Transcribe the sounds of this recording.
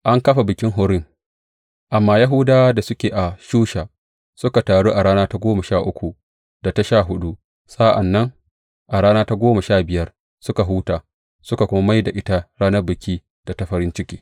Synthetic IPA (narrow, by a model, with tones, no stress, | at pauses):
ʔa˦ŋkɐ˦ɸa˨bɪ˨kʲɪ˦ŋɦʊ˦ɾɪ˦ŋ | ʔa˨mːaː˦ja˦ɦʊ˦daː˦da˨sʊ˦kʲeː˨ʔa˨ʃuː˦ʃaː˨ | sʊ˦ka˨taː˨ɽuː˦ʔa˨ɽaː˦naː˦ta˦ɡʷoː˦ma˨ʃaː˦˨ʔʊ˦kʷu˨ | da˨ta˦ʃaː˦˨ɦʊ˦ɗu˦ | sʼa˦ʔa˨nːɐ˦ŋ | ʔa˨ɽaː˦naː˦ta˦ɡʷoː˦ma˨ʃaː˦˨bɪ˨jɐ˦r | sʊ˦ka˨ɦuː˦taː˨ | sʊ˦ka˨kʷʊ˦ma˦ma˦jda˨ʔɪ˦ta˦ɽaː˦nɐ˦rbɪ˨kʲiː˦ | d̥a˨ta˦ɸɐ˨ɾɪ˦nt͡ʃɪ˦kʲḛː˦